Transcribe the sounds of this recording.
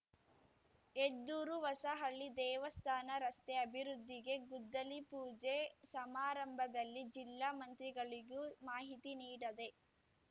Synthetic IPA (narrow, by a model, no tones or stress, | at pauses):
ed̪ːuːɾuʋɐsɐɦɐɭːid̪ɛːʋɐst̪ʰaːnɐɾɐst̪eɐbʱiɾud̪ʱːiɡe̞ɡud̪ːɐlipuːd͡ʒesɐmaːɾɐmbʱɐd̪ɐlːid͡ʒilːaːmɐnt̪ɾiɡɐɭiɡumaːɦit̪iniːɽɐd̪e̞